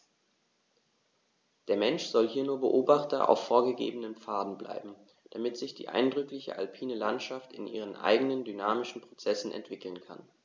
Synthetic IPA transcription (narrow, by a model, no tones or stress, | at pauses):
d̥eːɐmɛnʃz̥ɔlɦiːɐnuːɐbəʔoːbaχtɐ̰ʔa̰ʊfːoːɐɡəɡḛːbənəmp͡faːdn̩bla̰ɪbm̩ | d̥amɪtz̥ɪçd̥ḭːʔa̰ɪndʁʏklɪçə̰ʔalpʰiːnəlantʃaftɪ̰nʔḭːʁ̞ənʔa̰ɪɡənəndynaːmɪʃn̩pʁ̥ot͡sɛsn̩ʔɛ̰ntv̥ɪkl̩nkʰa̰n